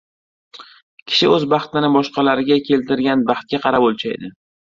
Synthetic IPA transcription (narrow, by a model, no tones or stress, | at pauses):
kʲʰɪ̥ʃɪɵzbɑχt̪ɪnɪbɒʃqɑlaɾɪɡʲakʲʰe̞lt̪ʰɪɾɡʲanbɑχt̪̚kʲaqʰɑɾapolt͡ʃʰaj̰d̪ɪ